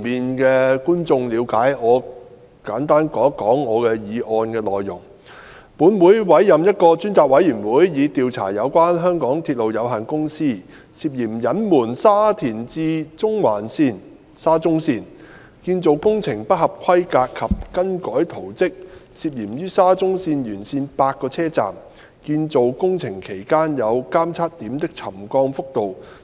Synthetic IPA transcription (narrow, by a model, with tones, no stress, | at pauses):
miː˨nkɛː˧kuː˥nt͡sʊ˧ŋliː˨˧wkaː˨˥jŋɔː˨˧ | kaː˨˥nt̪aː˥nkɔː˨˥kɔː˨˥ŋːɔː˨˧kɛː˧jiː˨˧ʔɔː˧nkɛː˧lɔː˨jːʊ˨˩ŋ | puː˨˥nwuː˨˥jwɐ˨˥jːɐ˨mjɐ˥t̚kɔː˧t͡ʃyː˥nt͡saː˨k̚wɐ˨˥jyː˨˩nwuː˨˥jjiː˨˧t̪iː˨˧wt͡sʰa̰ː˨˩jɐ˨˧wkʷwaː˥nɦœː˥ŋkɔː˨˥ŋt̪ʰi˧t̚lo˨wjɐ˨˧wɦaː˨˩nkʊ˥ŋsiː˥ | siː˧p̚jiː˨˩mjɐ˨˥nmuː˨˩nsaː˥t̪ʰiː˨˩nt͡siː˧t͡sʊ˥ŋwaː˨˩nsiː˧n | saː˥t͡sʊ˥ŋsiː˧n | kiː˧nt͡so˨wkʊ˥ŋt͡sʰɪ˨˩ŋpɐ˥t̚hɐ˨p̚kʰɐ˥jkaː˧kʰːɐ˨p̚kɐ˥nkɔː˨˥jt̪ʰo˨˩wt͡sɪ˥k̚siː˨p̚jiː˨˩mjyː˥saː˥t͡sʊ˥ŋsiː˧njyː˨˩nsiː˧npaː˧t̚kɔː˧t͡sʰɛː˥t͡sa̰ː˨˩m | kiː˧nt͡so˨wkʊ˥ŋt͡sʰɪ˨˩ŋkʰe˨˩jkaː˥njɐ˨˧wkaː˥mt͡sʰaː˥t̚t̪iː˨˥mt̪ɪ˥k̚t͡sʰɐ˨˩mkɔː˧ŋfʊ˥k̚t̪o˨w